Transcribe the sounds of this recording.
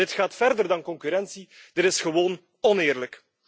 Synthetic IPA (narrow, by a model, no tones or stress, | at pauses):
ɪtχaːtfɛrdərdɑnkɔŋkyɾɛnsid̥ɪtɪsχəʋoːn | ɔnɪːrlək